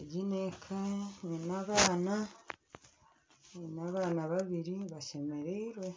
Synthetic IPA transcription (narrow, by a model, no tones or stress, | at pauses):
eɟinekʰaninaβaːna | ninaβaːnaβaβiɾiβaʃe̞meɾeɾwe̞